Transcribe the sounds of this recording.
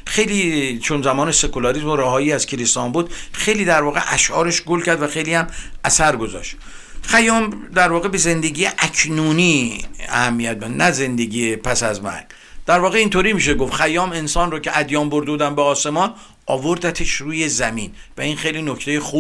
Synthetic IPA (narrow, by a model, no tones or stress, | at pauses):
xe̞jliːt͡ʃʰonzæmɒːnese̞kolɒɾizmoɾæhɒːjiːæz̥kʰeɾest̪ɒːmbuːd̪xejliːd̪æɾvɒːɣe̞̰ʔæʃʔɒ̰ːɾeʃɡolcʰæɾd̪væxe̞jliːhæmʔæsæɾɡo̞zɒ̰ʃt̪ | xæjɒːmd̪æɾvɒːɣe̞be̞ze̞nd̪e̞ɡijeʔækʰnuːniːæ̰hæmːijæt̪̚mæd̪nʔæze̞nd̪e̞ɡiːepʰæsæzmæ̰ɾɡ̥ | d̪̥æɾvɒːɣe̞iːnt̪ʰoːɾiːmiːʃ̬eɡofxæjɒːme̞nsɒːnroːcʰeʔæd̪jɒːmbo̞ɾd̪euːd̪æmbeɒːse̞mɒːn | ʔɒ̰ːvoɾd̪æt̪ʰeʃruːje̞zæmiːnvæinxejlinocʰt̪ʰejexuː